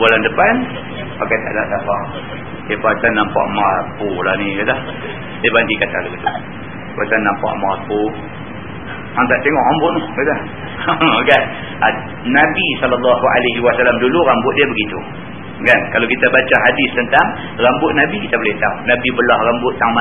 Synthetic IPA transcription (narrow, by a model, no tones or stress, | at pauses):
bulandəpan | pakajt̪a̰ʔdaʔsapa | diəpat̪anːampa̰ʔmapulahnikat̪ah | debandikat̪a̰ləɡit̪u | wa̰t̪anːampa̰ʔmapu | haŋt̪aʔt̪eŋɔhambʊʔnʊhkat̪a | kan | ʔa | nabisɔləlːɑɦuʔa̰leɦiwasalamduluɾambʊʔ̪̚diəbəɡit̪u | kankalakit̪abat͡ʃaɦadɪst̪ənt̪aŋ | rambʊʔ̪̚nabikit̪abolɪht̪aunabibəlahrambʊt̪̚ːaŋma